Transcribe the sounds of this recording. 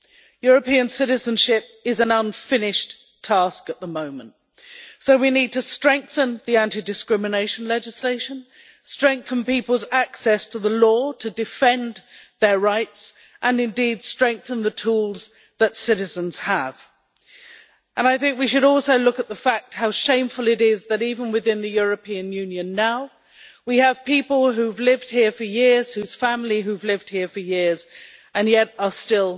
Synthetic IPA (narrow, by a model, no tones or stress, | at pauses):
jʊɹəpĩə̃nsɪɾɨzə̃nʃɪp̚ | ɪzə̃nʌ̃nfɪnɪʃ | tʰɑˑskəʔ̪̚ðəmõʊ̃mə̃nt | soʊwinid̚tʰɨstɹ̥ɛ̃ŋk̚θə̃nðiæ̃ntidɨskɹɪmɨneɪʃə̃n̩lɛd͡ʒɪsleɪʃə̃n | stɹ̥ɛ̃ŋk̚θə̃n̩pipəl̩ˠzaksɛstʰəðəlɔɾʰədɨfɛ̃nðəɹaɪts | ʔə̃nɨ̃ndid̥stɹ̥ɛ̃ŋk̚θə̃nðətʰulˠz | ðətsɪɾɨzə̃nz̥əv̥ | ʔə̃naɪθɪ̃ŋkwiʃɨɾɔlˠsoʊlʊkət̪̚ðəfæk̚t̚haʊʃẽɪ̃ɱfəlˠɨɾɪzðɨɾivə̃nwɨðɪ̃nðɨjʊɹɨpʰĩɨ̃njʉ̃njɨ̃nːaʊ | wiɨv̥pipəl̩ˠɦʉvlɪvd̥̚hiɹfə˞jɪɹz̥hʉz̥fæ̃mliɦʉvlɪvd̥̚hiɹfə˞jɪɹz | ʔɨ̃njɛɾə˞stɪlˠ